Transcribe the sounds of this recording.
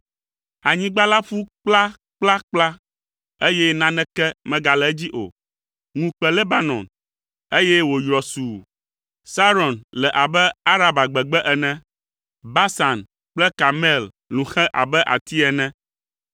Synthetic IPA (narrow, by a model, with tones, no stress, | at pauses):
a˨ɲĩ˦ɡ͡ba˦la˦fu˦k͡pla˦ | k͡pla˦k͡pla˦ | e˦jɛ˦nã˦nɛ̃˦kɛ˦mɛ̃˦ɡa˨lɛ˨˦d͡ʑi˦ʔo̰˨ | ŋũ˨k͡pɛ˨le˦ba˦nɔ̰̃˨n | e˦jɛ˦wo˨jɾɔ˨su˨ | sa˦ɾɔ˨nlɛ˨ʔa˨bɛ˦a˦ɾa˨ba˨ɡ͡bɛ˨ɡ͡bɛ˦ʔɛ˨nɛ̃˦ | ba˦sa˨n | k͡plɛ˦ka˨mɛ˦˨l | lũ˨xɛ̃˦ʔa̰˨bɛ˦ʔa̰˨t̪i˦ɛ˨nɛ̃˦